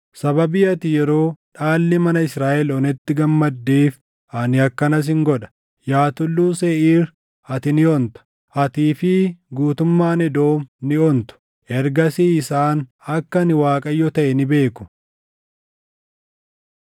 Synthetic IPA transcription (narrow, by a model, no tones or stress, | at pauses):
sɐbɐbiːɐt̪ɪjɛɾo̞ːᶑaːlːɪmɐnɐɪsɾaːʔɛlɔnɛt̪ːɪɡɐmːɐd̪ːeːf | ɐnɪɐkːɐnɐs̬ɪŋɡɔᶑɐ̥ | jaːt̪ʊlːuːseːʔiːɾ | ɐt̪ɪnɪɔnt̪ɐ̥ | ʔɐt̪iːfɪɡuːt̪ʊmːaːnɛd̪o̞ːmnɪɔnt̪ʊ̥ | ʔɛɾɡɐsiːɪsaːnɐkːɐnɪwaːkʼɐjɔt̪ɐʔɛnɪbe̞ːkʊ̥